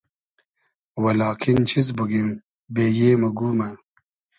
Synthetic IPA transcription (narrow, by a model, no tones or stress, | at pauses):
wɐlɑːkʰint͡ɕʰizbuɡim | beːjeːmɐɡuːma